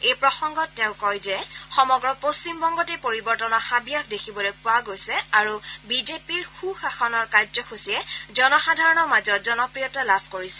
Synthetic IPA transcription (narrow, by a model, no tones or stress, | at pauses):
ejpɹɔxɔŋɡɔtːɛʊ̃kɔjzɛxɔmɔɡɹɔpost͡ʃimbɔŋɡɔtɛpoɹibɔɹtɔnɔxabijaxdekʰibɔlojpʊaɡojsɛaɹubizepiɹxuxaxɔnɔɹkazɔxusiɛzɔnɔxadʱaɹɔnɔmazɔtzɔnɔpɹijɔtalabʱkoɹisɛ